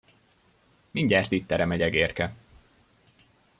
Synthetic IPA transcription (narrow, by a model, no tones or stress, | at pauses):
miɲɟaːrt̪iːt̪t̪ːɛɾɛmɛɟɛɡeːrkɛ